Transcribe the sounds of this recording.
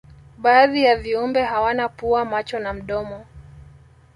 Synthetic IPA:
ɓaːðijaviumbɛɦawanapuamat͡ʃɔnam̩ɗɔmɔ

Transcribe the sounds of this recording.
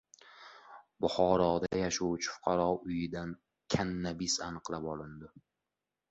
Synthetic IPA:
bʊχɒɾɒd̪ajaʃawt͡ʃʰɪ̥fʊ̥qʰɑɾɒʊjɪd̪an | kʲʰanːabisanɨqlˠapɒlˠɪnd̪ɪ

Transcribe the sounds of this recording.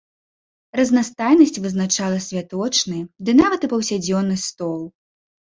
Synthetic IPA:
rɐznast̪ajnɐsʲt͡sʲvɨznat͡ʂalˠɐsʲvʲat̪ɔt͡ʂnɨd̪ɨnavɐt̪ɨpɐwsʲad͡zʲɔnːɨst̪ɔlˠ

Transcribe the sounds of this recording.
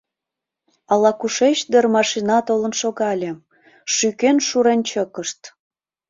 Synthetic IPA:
ɑlɑkuʃet͡ɕd̪ərmɑʃinɑt̪olənʃoɣɑlʲe | ʃykenʃuɾent͡ɕəkəʃt̪

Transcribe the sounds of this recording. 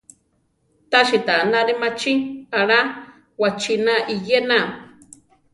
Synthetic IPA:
t̪aʃit̪anaɾimat͡ʃiaɾa | wat͡ʃinaʔijena

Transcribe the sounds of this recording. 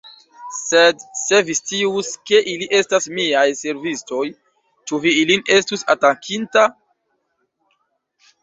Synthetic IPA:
sedse̞vistiuske̞ʔiliʔe̞stasmiajse̞ɾvisto̞j | t͡ʃuviiline̞stusa̰takʰinta

